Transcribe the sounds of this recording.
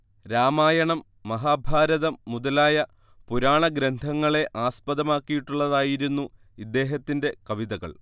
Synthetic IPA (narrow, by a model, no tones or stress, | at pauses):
ɾaːmaːjɐɳɐmːɐɦaːbʱaːɾɐðɐmːuðɐlaːjɐ | puɾaːɳɐɡɾɐnd̪ʱɐŋːɐɭe̞ʔaːspɐðɐmaːkːijiʈːuɭːɐðaːjiɾunːu | id̪ːe̞ːɦɐt̪ːinde̞kɐʋiðɐɣɐ̰ɭ